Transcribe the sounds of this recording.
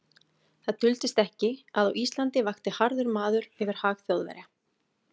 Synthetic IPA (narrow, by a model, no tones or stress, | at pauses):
θaðt̪ʏlt̪ɪst̪ɛhcɪaðawist̪lant̪ɪvaxt̪ɪhaɾðʏɾmaːðʏɾɛvɪɾ̥haːɣθjowðvɛ̰ɾa